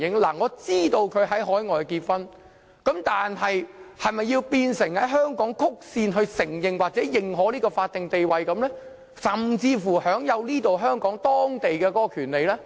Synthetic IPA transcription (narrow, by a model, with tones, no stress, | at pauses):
jɪ˨˥ŋlaː˨˩ŋɔː˨˧t͡siː˥t̪o˧wkʰɵ˨˧ɥɦɐ˨˥jɦɔː˨˥jŋɔː˨˧jkiː˧t̚fɐ˥n | kɐ˨˥mt̪aː˨nɦɐ˨jhɐ˨jmɐ˨jːiː˧wpiː˧nsɪ˨˩ŋhɐ˨˥jɦœː˥ŋkɔː˨˥ŋkʰʊ˥k̚siː˧nɦɵ˧ɥsɪ˨˩ŋjɪ˨ŋwaː˨t̚t͡sɛː˨˥jɪ˨ŋɦɔː˨˥liː˥kɔː˧faː˧t̚t̪ɪ˨ŋt̪e˨jwɐ˨jkɐ˨˧mlɛː˥ | sɐ˨mt͡siː˧fuː˨˩hœː˨˥ŋjɐ˨˧wliː˥t̪o˨wɦœː˥ŋkɔː˨˥ŋt̪ɔː˥ŋt̪e˨jkɛː˧kɔː˨˥kɔ˧kʰyː˨˩nle˨jlɛː˥